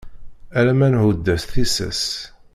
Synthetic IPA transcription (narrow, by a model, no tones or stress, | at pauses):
æɾæmænhud̪ːæsθisə̰s